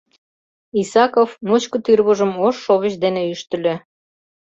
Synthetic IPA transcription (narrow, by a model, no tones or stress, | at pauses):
isɑkovnot͡ɕkə̆t̪yrβuʒəmoʃːoβə̆ɕd̪eneyʃt̪ə̆lʲø